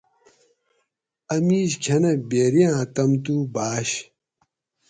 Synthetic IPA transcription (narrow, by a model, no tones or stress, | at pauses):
ɐmiːɕkʰɐnɐbeːɾijãːt̪ɐmt̪ubaːɕ